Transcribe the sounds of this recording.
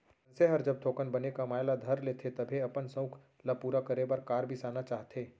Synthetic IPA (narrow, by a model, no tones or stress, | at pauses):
nseɦəɾd͡ʒɐb̚t̪ʰoːkənbɐnekamaːjlad̪ʱɐɾleːt̪ʰet̪ɐbʱiɐpənsɐ̃ʊkʰ | lapuːɾakəɾebɐɾkaːɾbʱisaːnat͡ʃaːɦt̪ʰeː